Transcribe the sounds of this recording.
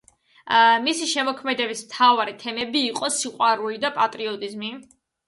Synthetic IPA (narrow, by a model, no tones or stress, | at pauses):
misiʃɛmɔkʰmɛd̪ɛbismt̪ʰavaɾit̪ʰɛmɛbiːqʼɔsiqʼwaɾulid̪apʼat̪ʼɾiɔt̪ʼizmi